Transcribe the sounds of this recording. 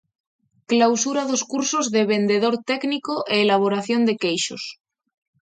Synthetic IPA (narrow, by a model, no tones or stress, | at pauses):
klawsuɾaðoskuɾsozðeβ̞e̞nd̪eðo̞ɾt̪ɛknikoʔeːlaβ̞oɾaθjond̪e̞kejʃo̰s